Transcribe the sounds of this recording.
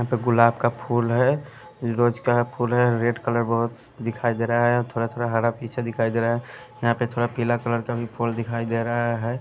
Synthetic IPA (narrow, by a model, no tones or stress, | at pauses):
jəɦãpeɡʊlaːb̚kapʰulɦɛ | ɾod͡ʒkapʰulɦɛɾeɖkələɾbəɦʊt̪ | d̪ɪkʰaid̪eɾəɦɛt̪ʰoɽat̪ʰoɽaɦaɾapit͡ʃʰɛd̪ɪkʰaid̪eɾaɦɛ | jəɦãpet̪ʰoɾapilakələɾkabʱipʰuld̪ɪkʰaid̪eɾəɦaɦɛ